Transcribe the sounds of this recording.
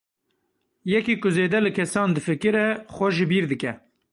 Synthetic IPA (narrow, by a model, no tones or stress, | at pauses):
jɛkiːkʊzeːd̪ɛlɨkʰɛsɑːnd̪ɨfɨkɨɾɛxʷɛʒɨbiːɾd̪ɨkɛ